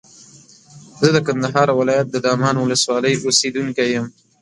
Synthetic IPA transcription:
zəd̪əkand̪aɦɑɾwɪlɑjat̪̚d̪əd̪ɑmɑnwʊləswɑləjosed̪uŋkajəm

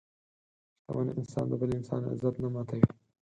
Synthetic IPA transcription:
ʃt̪a̰wɑ̰ːneʔɪnsɑnd̪əbəleɪnsɑ̰ːna̰zat̪namɑt̪ʰawi

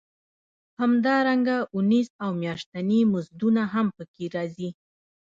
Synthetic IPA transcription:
hamd̪ɑɾaŋɡaʊnizawmjɑʃt̪animʊzd̪unaɦampəkeɾɑzi

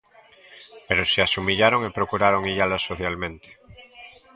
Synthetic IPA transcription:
peɾoseasumiʎaɾoŋepɾokuɾaɾoŋiʎalasoθjalmẽnt̪e̥

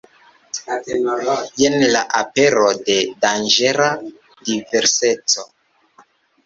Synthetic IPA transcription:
jenlaʔape̞ɾode̞dand͡ʒe̞ɾa | dive̞ɾse̞t͡so

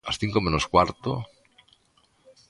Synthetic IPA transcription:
a̰sθiŋkomẽnoskwaɾt̪o̰

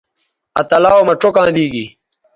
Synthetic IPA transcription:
ɐt̪ɐlaːwmɐʈ͡ʂokãːd̪iːɡi

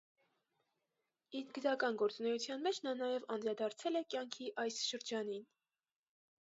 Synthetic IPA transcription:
iɾɡəɾɑkɑnɡɔɾt͡sunɛjut͡sʰjɑnmɛt͡ʃʰnɑnɑjɛvɑnd̪ɾɑd̪ɑɾt͡sʰɛlɛkjɑŋkʰiʔɑjsʃəɾd͡ʒɑnin

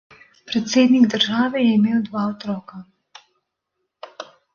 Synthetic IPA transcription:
pɾɛt̪seːd̪niɡd̪əɾʒaːʋɛjɛimeːwd̪ʋaːɔt̪ɾɔːka

